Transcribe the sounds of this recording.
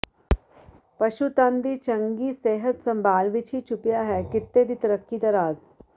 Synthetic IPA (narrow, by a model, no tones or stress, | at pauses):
pɐʃut̪ãːnd̪it͡ʃɐ̃ŋɡiseːɦət̪sɐ̃mbʱaːlʋɪt͡ʃʰit͡ʃʰʊpjaɦɛkɪt̪ːed̪it̪ɾəkːid̪ɐɾaːz